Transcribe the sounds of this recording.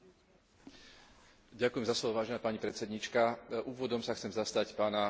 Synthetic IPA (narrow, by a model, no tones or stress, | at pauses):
ɟakujɛmzaslɔʋɔʋaːʒɛnɛːpaɲipɾɛtt͡sɛd̪ɲiːt͡ʃkaʔuːʋɔd̪ɔmsaxt͡sɛmzast̪acpaːna